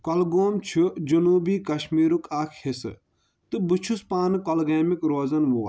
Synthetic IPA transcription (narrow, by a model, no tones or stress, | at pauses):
kɔlɡoːmt͡ʃʰud͡ʒunuːbiːkɐʃmiːɾukaːkʰhesɨ | t̪ɨbut͡ʃʰuspaːnɨkɔlɡeːmikɾoːzɐnʋuː